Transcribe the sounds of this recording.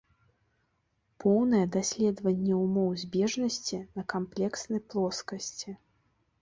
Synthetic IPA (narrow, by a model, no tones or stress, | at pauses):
pɔwnɐjɛd̪asʲlʲɛd̪vɐnʲːɛumɔwzʲbʲɛʐnɐsʲt͡sʲinɐkamplʲɛksnɐjplˠɔskɐsʲt͡sʲi